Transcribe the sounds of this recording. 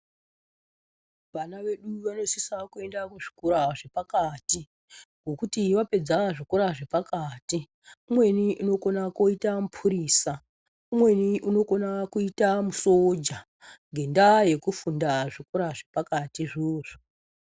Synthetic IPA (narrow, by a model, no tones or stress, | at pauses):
ʋanaʋe̞ɗuʋano̞sisakue̞ndakuʐi̥kuɾaʐe̞pakati | ɡʱo̞kutiʋape̞d͡zaʐikuɾaʐepakaːti | umwe̞niʔuno̞ko̞nakoitamupʰuɾiːsa | umwe̞niuno̞konakuitamusod͡ʒa | ŋɡʱe̞ndaje̞kufundaʐikuɾaʐe̞pakatiʐoːʐo